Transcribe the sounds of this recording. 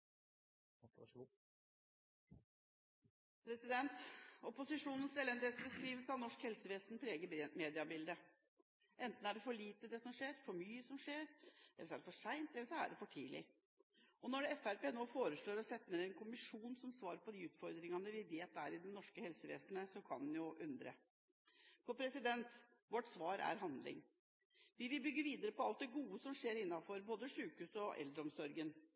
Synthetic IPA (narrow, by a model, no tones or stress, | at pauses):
pʰɾɛsɪd̪ɛnt̪ɔpʊsɪʂuːnən̩sɛlɛnd̪esbəskɾiːʋəlsəɑʋnɔʂkhɛlsəʋeːsnpʰɾeːɡəmeːd̪ɪɑbɪld̪ə | ʔɛnt̪n̩æɖɛfɔɭiːt̪əd̪ɛsɔmʂeːɾfɔɾmyːəsɔmʂeːɾɛ̰lːəʂɔæɖɛfɔʂæɪnt̪ɛlːəʂɔæ̰ɖɛfɔʈʰḭːlɪ̰ | ɔnɔɖɛɛfæɾpeːnoːfoːɾəʂɭoːɾɔsɛt̪ːnəɾɛnkʰʊmɪʂuːnsɔmsʋɑːɾpʰɔd̪iʉːt̪fɔɾd̪ɾɪŋɑnəʋɪʋeːt̪̚d̪æɾɪd̪ɛnɔʂkəhɛlsəʋḛːsnəsɔkʰɑnːnjʊʔʉnd̪ɾə̰ | pʰɔpʰɾɛsɪd̪ɛnt̪ʋɔʈsʋɑːɾæ̰ɾɦɑnd̪lɪ̰ŋ | ʋɪʋɪlbʏɡːəʋiːd̪əɾəpɔɑlt̪̚d̪ɛɡuːəsɔmʂeːɾɪnːɑfɔɾboːd̪əʂʉːkhʉːsɔʔɛ̰ld̪ɾəɔmsɔɾɡən